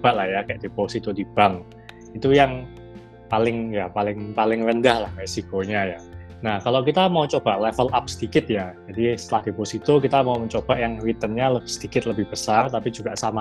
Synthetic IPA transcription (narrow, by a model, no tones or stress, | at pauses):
b̥aʔlahjakajaʔd̥eposit̪od̥ib̥aŋ | it̪ujaŋ | palɪŋjapalɪŋpalɪŋrəndahlahmesikoɲaja | nahkalokit̪amaut͡ʃob̥aʔlɛfəlap̚səd̪ikɪt̪̚jad͡ʒadist̪əlahd̪̥eposit̪ʊkit̪amauməɲt͡ʃob̥aʔjaŋwit̪ənɲaləb̥ɪ̥hsəd̪̥ikɪt̪ləbɪhb̥əsart̪apid͡ʒuɡ̥aʔsama